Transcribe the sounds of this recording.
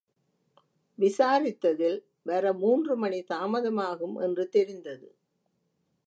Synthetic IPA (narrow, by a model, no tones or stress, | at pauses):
ʋɪsaːɾɪt̪ːɐðɪl | ʋɐɾɐmuːndrɯmɐɳit̪aːmɐðɐmaːɣɯmʔɛ̰ndrɯt̪ɛɾɪnd̪ɐðɯ̰